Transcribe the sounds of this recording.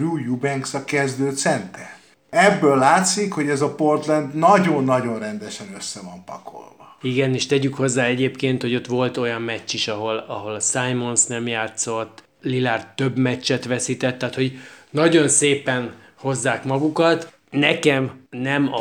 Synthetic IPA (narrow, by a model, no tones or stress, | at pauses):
ruːjubɛŋksɒkɛzd̪øːt̪sɛnt̪ɛr | ɛbːølːaːt̪sikho̞ɟɛzɒpo̞rt̪lɛnd̪nɒɟonːɒɟo̞nrɛnd̪ɛʃɛnøsːɛvɒmpɒ̰ko̞̰lvɒiɡɛniʃt̪ɛɟykho̞zːaːɛɟeːpkeːnt̪ho̞ɟo̞t̪ʋo̞lt̪o̞jɒmmɛːiʃɒɦo̞lɒɦo̞lɒsajmo̞nsnɛmjaːt̪so̞t̪ː | lilaːrt̪ø̞bmɛt͡ʃːɛt̪ʋɛsit̪ɛt̪ːaːt̪ho̞ɟnɒɟo̞nseːpɛn | ho̞zːaːkmɒɡukɒt̪ | nɛkɛmnɛmɒ